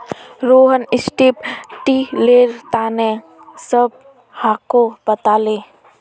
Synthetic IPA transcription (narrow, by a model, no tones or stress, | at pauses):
ɾoɦənɪsʈipʈileːɾt̪anẽ | səb̚ | hakobət̪ale